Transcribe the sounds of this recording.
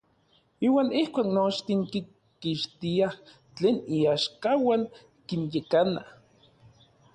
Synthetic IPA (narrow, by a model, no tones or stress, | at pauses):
iːwaːnihkʷaːknot͡ʃt̪iŋki | kiʃt̪iah | t͡ɬeːniaʃkawaŋ | kinjekanah